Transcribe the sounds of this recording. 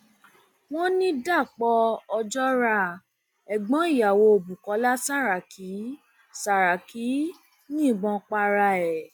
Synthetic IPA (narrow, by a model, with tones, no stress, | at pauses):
w̃ɔ̃˦nĩ˦da˦˨k͡pɔ˧ɔ˧d͡ʒɔ˦ɾa˧ | ɛ˨ɡ͡bɔ̃˨˦i˦˨ja˨wo˧o˨bu˨kɔ˨˦la˦sa˦˨ɾa˨ki˨˦ | sa˨ɾa˨ki˨˦ | nĩ˦˨ɡ͡bɔ̃˧k͡pa˧ɾa˧ɛ˨